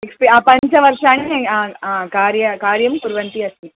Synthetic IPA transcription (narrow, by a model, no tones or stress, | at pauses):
ɛkspeapɐɲd͡ʒɐʋɐɾʂaːnĩakaːɾjɐkaːɾjɐmkʊɾʋɐnt̪iɐsi